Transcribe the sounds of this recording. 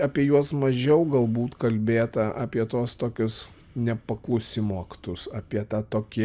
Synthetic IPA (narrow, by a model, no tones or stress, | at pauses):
ɑːpʲiɛjuɔsmɐʒʲɛʊɡɐlˠbuːt̪kɐlʲbʲeːt̪ɐʔɑːpʲiɛt̪oːst̪oːkʲʊs | nʲɛpɐklˠʊsʲɪmuɔkʲɪt̪ʊjsɑːpʲiɛt̪ɑːt̪oːkʲɪ